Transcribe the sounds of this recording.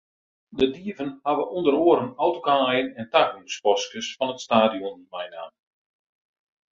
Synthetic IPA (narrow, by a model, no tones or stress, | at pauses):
dədiəvənhaʋəʔundəɾoːəɾənɔwtokajənɛntaknuspɔskəsfɔnətstaːdijɔnmɛjna̰ːm